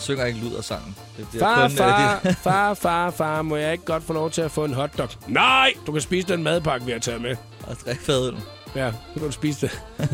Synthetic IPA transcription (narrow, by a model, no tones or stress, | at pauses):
søŋ̰ɐe̝ɡ̥əlyð̰ˠɐsɑ̈ŋ̰n̩d̥ed̥ifːnfɑ̥ḛfɑ̈ːfɑ̈ːfɑ̈ːmɒ̽jɑ̈e̝ɡ̥əɡ̥ɒ̽d̥fɔːlɒʊt͡sʰe̝læfɔ̰̽ːe̝nɦɒ̽d̥ːɒ̽ɡ̥nɑɪ̰d̥ukʰæsb̥ḭːs̬əd̥enmæð̞ˠpʰɑ̈ɡ̥ʋe̝æt͡sʰɛ̰ːme | d̥ʁɛɡ̥fɛðˠən̩ | jæsɒ̽kʰæɾusb̥ḭːsəd̥e